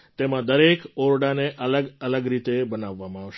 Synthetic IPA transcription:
t̪emãd̪əɾekoɾɽaneʔələɡələɡɾit̪ebənaʋːamãaʋʃ

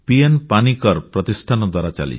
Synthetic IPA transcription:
pienpanikɔɾpɾɔt̪isʈʰanɔd̪waɾat͡ʃa̰lḭt͡ʃʰ

